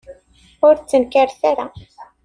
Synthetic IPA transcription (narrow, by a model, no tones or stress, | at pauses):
ʊɾt͡sːənkəɾθaɾa